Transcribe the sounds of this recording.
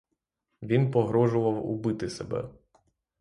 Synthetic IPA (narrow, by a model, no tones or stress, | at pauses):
ʋʲinpɔɦɾɔʒʊʋɐwʊ̰bɪt̪ɪsebɛ̰